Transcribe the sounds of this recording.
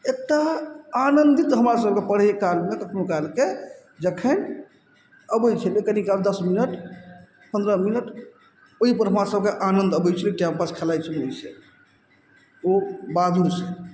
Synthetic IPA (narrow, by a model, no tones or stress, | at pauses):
ek̚ʈaːnənd̪it̪ɦəmɾasəb̚kepəɽ̤ɦekalmekəkʰnokalke | d͡ʒəkʰən | əbəjt͡ʃʰəlekənikald̪əsminəʈ | pənd̪ɾəminəʈ | oɦipəɾɦəmɾasəb̚keʔanənd̪əbəjt͡ʃʰəliʈjampaskʰelajt͡ʃʰəloise | obad̪ʱuɾse